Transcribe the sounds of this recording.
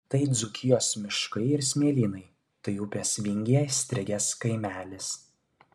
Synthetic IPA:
t̪ɐɪd̪zʊkʲʰɪjoːsmʲɪʃkɐɪɪɾsʲmʲiɛlʲiːnɐɪ | t̪ɐɪupʲeːsʋʲɪŋʲɡʲɛsʲt̪ʲɾʲɪɡʲɛskɐɪmʲæːlʲɪs

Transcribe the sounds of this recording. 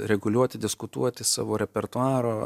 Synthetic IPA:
ɾʲɛɡʊlʲuɔt̪ʲɪd̪ʲɪskʊt̪uɔt̪ʲɪsɑ̰ːʋoːɾʲɛpʲɛɾt̪ʊɑːɾoː

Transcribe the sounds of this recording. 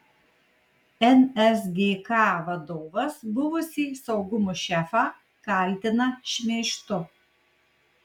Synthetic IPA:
ɛnɛsɡʲeːkɑːʋɐd̪oːʋɐsbʊʋʊsʲiːsɐʊɡʊmʊʃʲɛfɑː | kɐˑlʲt̪ʲɪnɐʃʲmʲeːʃʲt̪ʊ

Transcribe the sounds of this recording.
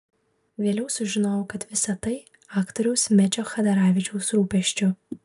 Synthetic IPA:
ʋʲeːlʲɛʊsʊʒʲɪnoːjokɐt̪ʋʲɪsɐt̪ɐɪ | ɑːkt̪ɔɾʲɛʊsmʲɛt͡ʃʲoxɐd̪ɐɾaːʋʲɪt͡ʃʲɛʊsɾuːpʲɛʃʲt͡ʃʲʊ

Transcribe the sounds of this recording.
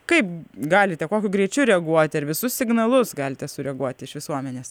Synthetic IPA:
kɐɪpɡɑːlʲɪt̪ʲɛkoːkʲʊɡɾʲɛɪt͡ʃʲuɾʲɛɐɡuɔt̪ʲɪɐɾʋʲɪsʊssʲɪɡnɐlˠʊsɡɑːlʲɪt̪ʲɛsʊɾʲɛɡuɔt̪ʲɪʃʋʲɪsuɔmʲɛnʲeːs

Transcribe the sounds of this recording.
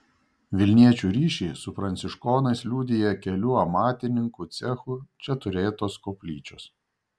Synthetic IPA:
ʋʲɪlʲnʲiɛt͡ʃʲuːɾʲiːʃʲɛɪsʊfɾɐnʲt̪sʲɪʃkoːnɐɪslʲuːd̪ʲɪjɛkʲɛlʲuːɐmɑːt̪ʲɪnʲɪŋkut̪sʲɛxut͡ʃʲɛt̪ʊɾʲeːt̪oːskoːpʲlʲiːt͡ʃʲoːs

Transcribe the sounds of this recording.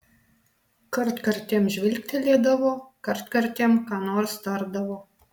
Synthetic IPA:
kɐɾt̪kɐɾʲt̪ʲeːmʒʲʋʲɪlʲk̚ʲt̪ʲɪlʲiːd̪ɐʋoːkɐɾt̪kɐɾʲt̪ʲeɛmkɑːnoːɾst̪ɐɾd̪ɐʋoː

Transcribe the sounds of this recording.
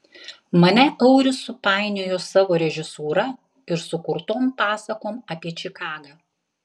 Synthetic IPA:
mɐnʲɛʔɐʊɾʲɪsʊpɑˑɪnʲeːjoːsɑːʋoːɾʲɛʒʲɪsuːɾɐ | ɪɾsʊkʊɾt̪oːmpɑːsɐkoːmɐpʲiɛt͡ʃʲɪkɑːɡɑː

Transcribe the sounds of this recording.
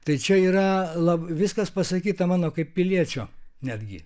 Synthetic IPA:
t̪ɐɪt͡ʃʲɛiːɾɐlˠɐbʋʲɪskɐspɐsɐkʲiːt̪ɐmɑːnoːkɐɪppʲɪlʲiɛt͡ʃʲoːnʲæːd̪ʲɡʲɪ

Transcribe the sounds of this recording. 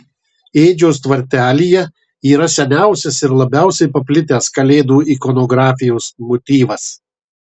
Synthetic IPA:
eːd͡ʒʲoːst̪ʋɐɾʲt̪ʲæːlʲiːjɛ | iːɾɐsʲɛnʲæˑʊsʲɛsɪɾlˠɐbʲæˑʊsʲɛɪpɐpʲlʲɪt̪ʲæːskɐlʲeːd̪uːiːkɔnɔɡɾɑːfʲɪjoːsmɔt̪ʲiːʋɐs

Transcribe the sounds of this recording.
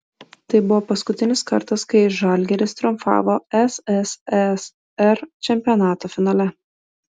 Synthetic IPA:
t̪ɐɪbʊʋoːpɐskʊt̪ʲɪnʲɪskɐ̰ɾt̪ɐskɐɪʒɐlʲɡʲɛɾʲɪst̪ɾʊmfɑ̰ːʋoɛsɛsɛs | ɛɾt͡ʃʲɛmʲpʲijɔnɑːt̪oːfʲɪnɑːlʲɛ

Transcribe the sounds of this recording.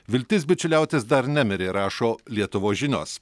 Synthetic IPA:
ʋʲɪlʲt̪ʲɪs̬bʲɪt͡ʃʲʊlʲæˑʊt̪ʲesd̪ɐɾnʲæmʲɛɾʲeːɾɑːʃoːlʲiɛt̪ʊʋoːsʒʲɪnʲoːs

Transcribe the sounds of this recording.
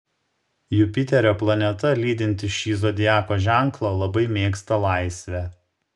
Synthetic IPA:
jʊpʲɪt̪ʲɛɾʲoːplˠɐnʲɛt̪ɐlʲiːd̪ʲɪnʲt̪ʲɪʃʲiːzoːd̪ʲɪjæːkoːʒʲæˑŋklˠɐːlˠɐbɐɪmʲeːkst̪ɐlˠɑˑɪsʲʋʲæ

